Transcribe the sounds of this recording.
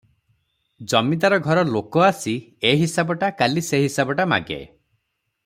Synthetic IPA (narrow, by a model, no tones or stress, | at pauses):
d͡ʒɔmid̪aɾɔɡʱɔɾɔlokɔasieɦisabɔʈakaliseɦisabɔʈama̰ɡḛ